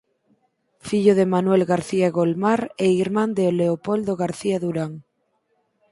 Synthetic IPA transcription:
fiʎoðemanwelɣaɾθiaeɣolmaɾeiɾmãnd̪eoleopold̪oɣaɾθiaðuɾaŋ

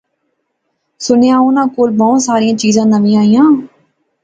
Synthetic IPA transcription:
sʊnejãːunãːkoːlbɔːsaːɾijãːt͡ʃiːzãːnəʋĩːãːijãː

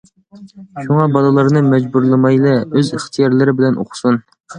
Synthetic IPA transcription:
ʃuŋɑbɑlˠɨlˠɑɾnɨmɛd͡ʒbuɾlˠɨmɑjlˠɛøzəχt̪ʰijɑɾlˠɪɾɪbɪlɛnʔo̰χʰʊ̥sun

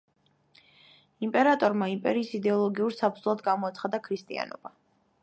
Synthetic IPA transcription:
impʼɛɾat̪ʼɔɾmaimpʼɛɾiːsid̪ɛɔlˠɔɡiuɾsap̚ʰd̪zlˠad̪ɡamɔat̪sʰχad̪akʰɾist̪ʼḭa̰nɔ̰ba

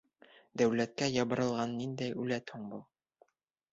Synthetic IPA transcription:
d̪æwlæt̪̚kæjɑbɤ̆ɾɤ̆lˠʁɑnːind̪æjʉlæt̪huɴbulˠ

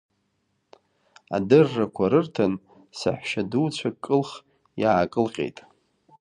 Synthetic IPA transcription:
a̰dɨrːakʷʰaɾɨrtʰan | sa̰ħʷᶣʃaduwt͡ɕʷʰakʼːɨlχ | jaːkʼɨlqʲʼḛjtʼ

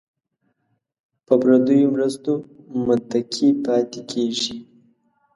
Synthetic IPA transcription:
pəbɾad̪əjomɾəst̪omʊt̪akʰipɑt̪ekʰeʒi

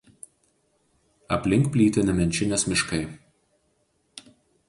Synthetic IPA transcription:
ɐpʲlʲɪŋkpʲlʲiːt̪ʲɪnʲɛmʲɛnʲt͡ʃʲɪnʲeːsmʲɪʃkɐɪ

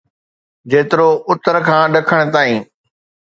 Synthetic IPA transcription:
d͡ʑeːt̪ɪɾoʊt̪əɾkʰãːɗɐkʰəɽ̃̆t̪aːĩː

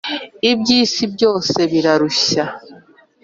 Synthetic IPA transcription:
ibjiːsibjo̞ːse̞βiɾaɾuɕa

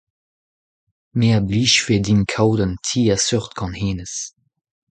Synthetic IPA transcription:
meːɐbliːʃfedinkʰawdəntʰiːɛsœʁtkʰɑ̃nheːnəs

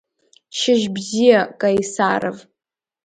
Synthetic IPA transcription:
ʃɪʒbzijakʼajsaːɾav

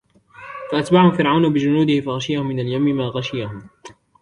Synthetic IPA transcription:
faʔat̪baːʕhʊmfɪɾʕawnabɪd͡ʒʊnuːd̪ɪhɪfaɣaʃɪjahʊmːɪnaljamːɪmaːɣaʃɪjahʊm

